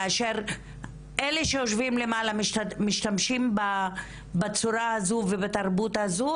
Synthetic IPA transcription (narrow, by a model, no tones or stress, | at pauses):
aʃeʁ | ʔeleʃeoʃvimle̞malamʃmiʃtamʃimba | bat͡suɾaazuvebat̪aʁbutazu